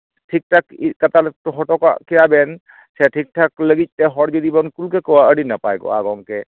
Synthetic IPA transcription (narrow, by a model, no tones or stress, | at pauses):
ʈʰik̚ʈʰakikat̪altɔɦɔʈɔka̰kijabɛn | sɛʈʰik̚ʈʰakləɡit̪̚tɛɦɔɽd͡ʒɔd̪ibɔnkulkɛkɔwaəɽinapajɡɔ̰a̰ɡɔŋkɛ